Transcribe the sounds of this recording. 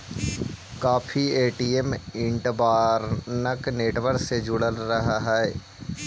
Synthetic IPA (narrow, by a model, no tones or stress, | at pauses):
kaːpʰieːʈiːemɪ̃ɳʈbaːɾnəkneːʈʋəɾksed͡ʒʊɽəlɾɐɦaɦaɛː